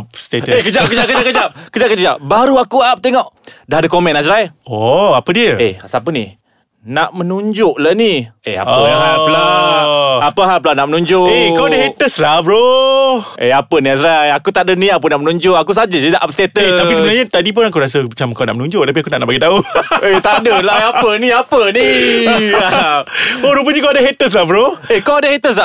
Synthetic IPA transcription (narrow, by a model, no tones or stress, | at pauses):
pst̪eəekəd͡ʒap̚kəd͡ʒap̚kəakəd͡ʒap̚kəd͡ʒap̚kəkəd͡ʒap̚baɾuakuap̚t̪eŋɔʔdaɦadəkomɛnasɾajɔapədiəeasapəni | naʔmənuɲd͡ʒʊʔlaniḛa̰pəaɦala | apəɦapəlanaʔmənuɲd͡ʒʊnikawaɦet̪əsɾabɾo | ʔeapəniasɾaakut̪aʔdənĩap̬ənaʔmənuɲd͡ʒʊʔakus̬ad͡ʒad͡ʒudaʔap̚st̪et̪əaisəbənarɲat̪adip̬ʊnakuɾasəmat͡ʃamkawna̰ʔmənũɲd͡ʒʊʔ̚t̪ap̬iakunaʔnaʔbaɡit̪auet̪aʔdəlaapəniapəni | a | oɾup̬əɲakawadaɦet̪əs̬lahbɾoekawadahet̪əs̬a